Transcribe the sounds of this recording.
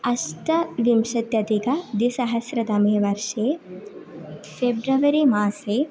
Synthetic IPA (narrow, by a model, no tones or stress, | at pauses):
ɐsʈɐʋimʃɐt̪jɐt̪ikɐd̪isɐɦɐsɾɐd̪ɐmjɐʋɐɾʂeː | febɾɐʋɐɾimaːseː